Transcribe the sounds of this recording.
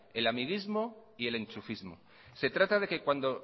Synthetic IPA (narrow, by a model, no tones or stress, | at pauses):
e̞lamiɣ̞izmo̞ie̞lẽ̞nt͡ʃufizmo̞̰ | se̞t̪ɾat̪að̞e̞ke̞kwand̪o̞